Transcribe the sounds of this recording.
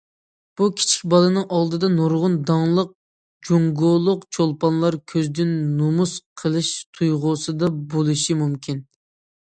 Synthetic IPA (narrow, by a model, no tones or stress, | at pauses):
b̥ukʲʰi̥t͡ʃʰi̥k̚ʲbɑlˠɨnɨŋʔɑlˠd̪ɨd̪ɑnoɾʁʊnd̪ɑŋlˠəq̚ | d͡ʒoŋɡolˠʊqt͡ʃʰolˠpɑnlˠɑɾkʲʰøzd̪ɪnnomusqʰəlˠɨʃt̪ʰujʁʊsɨd̪ɑbolˠɨʃimumkʲʰin